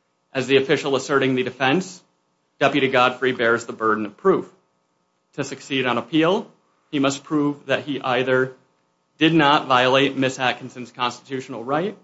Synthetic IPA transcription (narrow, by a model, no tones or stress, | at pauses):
ʔɨzðiɨfɪʃl̩ˠəsɜ˞ɾɪ̃ŋðɨdɨfɛ̃ns | d̥ɛpjɨɾiɡɑd̥fɹibɛɹzðəbɜ˞dⁿn̩ʌ̥pʰɹ̥uf | tʰɨsɨksiɾn̩əpʰilˠ | imʌspʰɹ̥uvðɨt̚hiʔaɪðə˞ | d̥ɨdⁿnətvaɪəlˠeɪt̚mɪshækɨ̃n̩sɨ̃n̩z̥kʰɑ̃nstɨ̥tʰʉʃn̩l̩ˠɹaɪt̚